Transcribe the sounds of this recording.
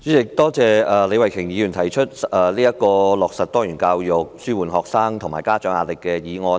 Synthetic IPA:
syː˨˥ɪ˨˩k̚t̪ɔː˥t͡sɛː˨˧ʔɐː˨le˨˧wɐ˨˩jkʰɪ˨˩ŋjiː˨˧jyː˨˩nt̪ʰɐ˨˩jt͡ʃʰɵ˥t̚ɛː˨˩liː˥jɐ˥t̚kɔː˧lɔː˨k̚sɐ˨t̚t̪ɔː˥jyː˨˩nkaː˧wjʊ˨k̚syː˥wuː˨˩nɦɔː˨k̚saː˥ŋt̪ʰʊ˨˩maː˨˩jkaː˥t͡ʃœː˨˥ŋaː˨˧tlɪ˨˩kːɛː˧jiː˨˧ŋɔː˧

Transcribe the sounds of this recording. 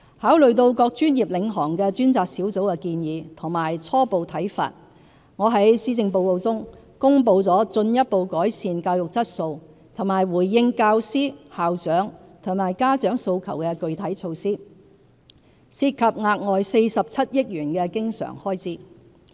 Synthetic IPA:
haː˨˥wlɵ˨ɥt̪o˧wkɔː˧k̚t͡ʃyː˥njiː˨p̚lɪ˨˧ŋɦɔː˨˩ŋkɛː˧t͡ʃyː˥nt͡saː˨k̚siː˨˥wt͡so˨˥wkɛ˧kiː˧njiː˨˧t̪ʰʊ˨˩ŋmaː˨˩jt͡sʰɔː˥po˨wt̪ʰɐ˨˥jfa̰ː˨t̚ | ŋɔː˨˧ɦɐ˨˥jsiː˥t͡sɪ˧ŋpo˧wko˧wt͡sʊ˥ŋ | kʊ˥ŋpo˧wt͡sɔː˨˥t͡sɵ˧njɐ˥t̚po˧wkɔː˨˥jsʰiː˧nkaː˧wjʊ˨k̚t͡sɐ˥t̚so˧w | t̪ʰʊ˨˩ŋmaː˨˩jwuː˨˩jːɪ˧ŋkaː˧wsiː˥haː˨wt͡ʃœː˨˥ŋt̪ʰʊ˨˩ŋmaː˨˩jkaː˥t͡ʃœː˨˥ŋso˧wkʰɐ̰˨˩wkɛː˧kɵ˨ɥt̪ʰɐ˨˥jt͡sʰo˧wsiː˥ | siː˧t̚kʰɐ˨p̚ŋaː˨k̚ŋɔː˨jse˧jsɐ˨p̚t͡sʰɐ˥t̚jɪ˥k̚jyː˨˩nkɛː˧kɪ˥ŋsœ̰ː˨˩ŋhɔː˥jt͡siː˥

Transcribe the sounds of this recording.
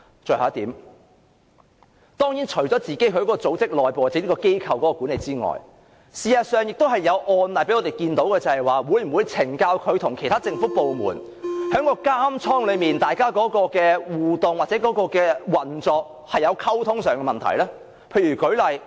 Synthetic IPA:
t͡ʃɔ˨ha̰ː˨˥t̪iː˨˥m | t̪ɔː˥ŋjiː˨˥nt͡ʃʰɵ˨˩ɥt͡sɔː˨˥t͡siː˨ke˨˥jkʰɵ˧ɥkɔː˨˥kɔː˧t͡so˨˥wt͡sɪ˥k̚lɔː˨jpo˨wɛ˨˥iː˥kɔː˧ke˥jkʰɐ˨wkɔː˨˥kɔː˧kuː˨˥nle˨jt͡siː˥ŋɔ̰ː˨j | siː˨ɐː˨˩sœː˨ŋjɪ˨k̚t̪o˥wɦɐ˨jːɐ˨˧wʔɔː˧nlɐ˨jpe˨˥ŋɔ˨˧t̪e˨˩jkiː˧nt̪o˨˥wkɛ˧t͡sɐ˨˧hɐ˨jwaː˨˩wuː˨˧jm̩˨˩wuː˨˧jt͡sʰɪ˨˩ŋkaː˧wkʰɵ˨˧ɥt̪ʰʊ˨˩ŋkʰe˨˩jt̪ʰaː˥t͡sɪ˧ŋfuː˨˥po˨wmṵː˨˩n | hœ˨˥ŋkɔː˧kaː˥mt͡sʰɔː˥ŋlɵ˨˧ɥmiː˨nt̪aː˨jkaː˥kɔː˨˥kɔː˧kɛː˧wuː˨t̪ʊ˨ŋwaː˨˩t͡sɛː˨˥kɔː˨˥kɔː˧kɛː˧wɐ˨nt͡sɔː˨˧k̚ | hɐ˨jːɐ˨˧wkʰɐ˥wt̪ʰʊ˥ŋsœː˨˩ŋkɛ˧mɐ˨˩nt̪ʰɐ̰˨˩jlɛː˥ | pʰe˧jɥyː˨˩kɵ˨˥lɐ˨j

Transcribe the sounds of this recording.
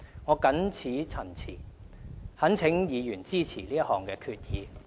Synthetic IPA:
ŋɔː˨˧kɐ˨˥nt͡sʰiː˨˥t͡sʰɐ˨˩nt͡sʰiː˨˩ | hɐ˨˥nt͡sʰɪ˨˥ŋjiː˨˧jyː˨˩nt͡siː˥t͡sʰiː˨˩liː˥jɐ˥t̚hɔː˨ŋkɛː˧kʰyː˧t̚jiː˨˧

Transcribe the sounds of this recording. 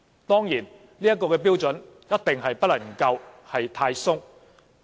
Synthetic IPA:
t̪ɔː˥ŋjiː˨˩n | niː˥jɐ˥kːɔː˧kɛː˧p̬iː˥wt͡sɵ˨˥njɐ˥t̚t̪ɪ˨ŋɦɐ˨jpɐ˥t̚lɐ˨˩ŋm̩˨˩kɐ˧whɐ˨jt̪ʰaː˧jsʊ˥ŋ

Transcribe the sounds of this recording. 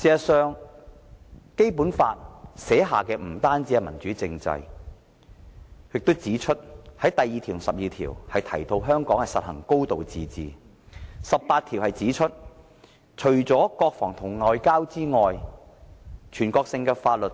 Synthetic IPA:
siː˨˧jɐ˨tsœː˨˧ŋ | ke˥jpuː˨˥nfaː˧t̚sɛː˨˧˥ɦa̰ː˨kɛː˧m̩˨˩t̪aː˥nt͡siː˧˥ɐ˧mɐ˨˩nt͡ʃyː˨˥t͡sɪ˧ŋt͡sɐ̰˧j | jɪ˨k̚t̪o˥t͡siː˨˥t͡ʃʰt̚hɐ˨˥jt̪ɐ˨jːiː˨˧t̪ʰiː˨˩sɐ˨p̚jiː˨˧t̪ʰḭː˨˩whɐ˨jt̪ʰɐ̰˨˩jt̪o˧wɦœː˥ŋkɔː˨˥ŋhɐ˨sɐ̰˨t̚hɐ˨˩ŋko˥wt̪o˨wt͡siː˨t͡siː˨ | sɐ˨pːaː˧t̪̚ʰi˨˩whɐ˨jt͡siː˨˥t͡ʃʰɵ˥t̚ | t͡ʃʰɵ˨˩ɥt͡sɔː˨˥kɔː˧k̚fɔː˨˩ŋt̪ʰʊ˨˩ŋŋɔː˨˧jkaː˥wt͡siː˥ŋɔː˨j | t͡ʃʰyː˨˩nkɔː˧k̚sɪ˧ŋkɛː˧faː˧t̚lɵ˨t̚

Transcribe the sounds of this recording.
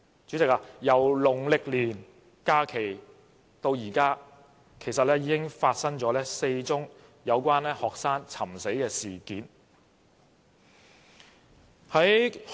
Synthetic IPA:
t͡st͡ʃyː˨˥t͡sɪ˨k̚aː˧jɐ˨wlʊ˨ŋlɪ˨k̚liː˨˩n | kaː˥kʰe˨˩j | t̪o˧wjiː˨˩kaː˥ | kʰe˨˩jsɐ˨t̚lɛː˥jiː˨˧kɪ˥ŋfaː˧t̚sɐ˥ŋt͡sɔː˨˥lɛː˥se˧jt͡sʊ˥ŋ | jɐ˨˧wkʷaː˥nlɛː˥hɔː˨k̚saː˥ŋt͡sʰɐ˨˩mse˨˥jkɛː˧siː˨˩kiː˨˥n | hɐ˨˥j

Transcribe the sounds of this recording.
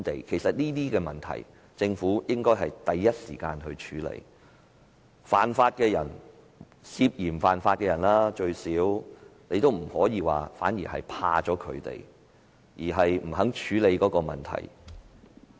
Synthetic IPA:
t̪e˨jkʰe˨˩jsɐ˨t̚niː˥t̪iː˥kɛː˧mɐ˨nt̪ʰɐ̰˨˩j | t͡sɪ˧ŋfuː˨˥jɪ˥ŋkɔː˥jɦɐ˨jt̪ɐ˨jːɐ˥t̚sḭː˨˩kaː˧nɦɵ˧ɥt͡ʃʰyː˨˥lḛ˨˧˥j | faː˨˩nfaː˧t̚kɛː˧jɐ˨˩n | siː˧p̚jiː˨˩mfaː˨˩nfaː˧t̚kɛː˧jɐ˨˩nlaː˥t͡ʃɵ˧ɥsiː˨˥wne˨˧jt̪o˥wm̩˨˩hɔː˨˥jiː˨˧wa̰ː˨˩fa̰ː˨˥njiː˨˩hɐ̰˨jpʰa̰ː˧t͡ʃɔː˨˥kʰɵ̰˨˧ɥt̪ḛ˨j | jiː˨˩ɦɐ˨jm̩˨˩ɦɐ˨˥ŋt͡ʃʰyː˨˥le˨˧jkɔː˨˥kɔː˧mɐ̰˨˩nt̪ʰɐ̰˨˩j

